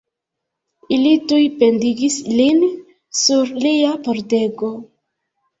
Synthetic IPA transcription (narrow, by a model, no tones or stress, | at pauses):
ilitujpe̞ndiɡislin | suɾliapoɾde̞ɡo̞